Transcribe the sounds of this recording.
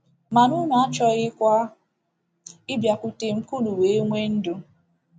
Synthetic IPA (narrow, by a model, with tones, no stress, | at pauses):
ma˨nu˦nu˨a˦t͡ʃɔ˦ɣɪ˦kʷa˦ | ɪ˦bja˨ku˨te˨m̩˦ku˦lu˨we˨˦ŋʷe˦n̩˦dʊ˨